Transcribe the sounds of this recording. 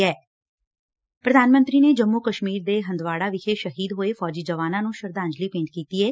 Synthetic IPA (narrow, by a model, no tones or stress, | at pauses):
ɛː | pɾəd̪ʱaːnmə̃nt̪ɾiːneːd͡ʒəmːuːkəʃmiːɾd̪eːɦə̃nd̪ʋaːɽaːʋɪkʰeːʃəɦiːd̪ɦoːeːfʰɔːd͡ʒiːd͡ʒəʋaːnãːnũːʃəɾd̪aːɲd͡ʒliːpẽːɳʈ̚kiːt̪iːɛː